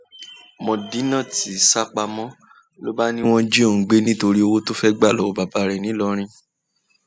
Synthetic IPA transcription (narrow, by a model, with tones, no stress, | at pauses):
mɔ̃˨di˨˦nã˦˨ti˨˦˨sa˦k͡pa˧mɔ̃˦ | lo˦ba˦nĩ˦w̃ɔ̃˦d͡ʒe˦õ˦˨˦ɡ͡be˦nĩ˦to˧ɾi˦o˧wo˦to˦fɛ˦ɡ͡ba˦˨lɔ˨˦˧ba˨ba˨˦ɾɛ˨nĩ˨˦lɔ˧ɾ̃ĩ˧